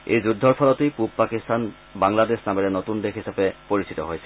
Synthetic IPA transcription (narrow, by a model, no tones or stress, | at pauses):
ḛjzudʱːɔɹpʰɔlɔtejpub̚pakistan | baŋladesnamɛɹɛnotundexɦisapɛpoɹisitɔɦojsɛ̥